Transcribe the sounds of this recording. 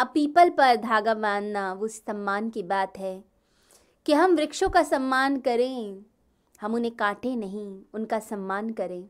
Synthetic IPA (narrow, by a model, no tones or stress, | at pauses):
ɐpiːpəlpɐɾd̪ʱaːɡaʋãːnnaʋosɐ̃mːaːnkibaːt̪ɦɛː | kiɦɐmʋɾɪkʃõkasɐmːaːnkɐɾẽ | hɐmʊnɦẽkaːʈenɐɦĩʊnkasɐmːaːnkɐɾẽː